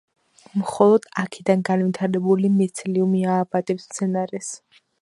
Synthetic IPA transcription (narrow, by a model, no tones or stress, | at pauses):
mχɔlˠɔd̪̥akʰid̪anɡanvit̪ʰaɾɛbulimɛt̪sʰliumiaːbat̪ʼɛpst̪sʰɛnaɾɛs